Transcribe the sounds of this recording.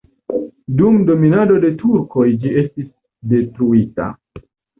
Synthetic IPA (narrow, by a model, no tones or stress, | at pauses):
dumdo̞minado̞de̞tuɾko̞jd͡ʒie̞stis | de̞tɾuita̰